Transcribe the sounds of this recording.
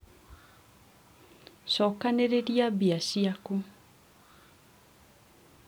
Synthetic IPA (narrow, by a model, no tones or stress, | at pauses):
ʃɔkaneɾeɾjabiasiaku